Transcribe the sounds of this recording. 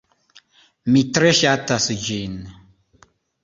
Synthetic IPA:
mitɾeʃatasəd͡ʒin

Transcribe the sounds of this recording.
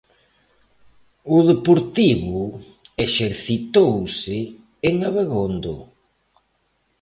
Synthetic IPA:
ʊðepoɾt̪iβʊ | eʃeɾθit̪owsɪː | ŋaβeɣond̪o̰

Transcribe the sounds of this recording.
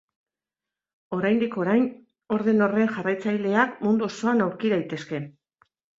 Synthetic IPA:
o̞ɾajnd̪iko̞ɾajn | o̞ɾðe̞no̞re̞ŋʝarajt͡sajle̞akmund̪uoso̞anawɾkiðajt̪e̞ske̞

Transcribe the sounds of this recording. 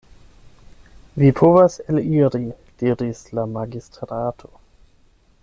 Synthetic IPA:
vipʰovaseliɾi | d̥iːɾislamaɡistɾaːtʰo

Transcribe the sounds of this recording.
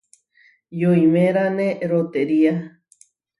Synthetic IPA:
joimẽɾaneɾot̪eɾia

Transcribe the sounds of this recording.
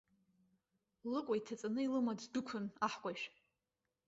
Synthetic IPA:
lɨqʷʼaitʰat͡sʼanɨilɨmaddʊkʷʰʊnaħkʷʼajʃᶣ

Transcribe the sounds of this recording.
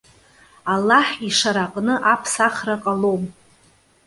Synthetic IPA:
alːaħiʂaɾaqʼnɨʔapʰsaχraqʼalom

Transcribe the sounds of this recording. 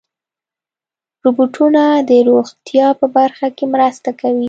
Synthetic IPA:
ɾubuʈʰunad̪əɾoɣt̪jɑpəbaɾxakemɾəst̪akawi

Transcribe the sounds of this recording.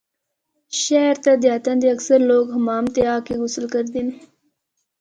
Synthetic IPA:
ʃaɾt̪ad̪jɑːt̪and̪iɐksəɾloːɡɦɐmɑːmt̪eɑːkeɡʊsəlkəɾd̪in

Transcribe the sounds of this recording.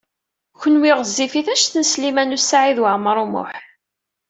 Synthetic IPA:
çənwɪʁəzːifiθæʃθənslimænusaʕiðwaʕməɾˤumʊ̰ħ

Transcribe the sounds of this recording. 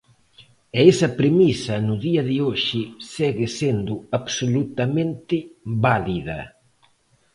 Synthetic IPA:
ɛesɐpɾemisɐnʊðiɐðɪoʃɪsɛɣɪsend̪ʊaβsolut̪ɐmẽnt̪ɪβaliðɐ̰

